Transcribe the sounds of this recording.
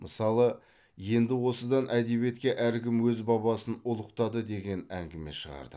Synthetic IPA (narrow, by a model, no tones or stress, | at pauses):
mʔəsɑlˠə | je̞nd̪ɪwo̞səd̪ɑnʔæd̪e̞bije̞t̪̚kʲe̞ʔæɾkʲɪmwɵzbɑbɑsənʊlˠəqt̪ɑd̪əd̪e̞ɡʲe̞næŋɡʲɪme̞̰ʃəʁɑ̰ɾd̪ə̰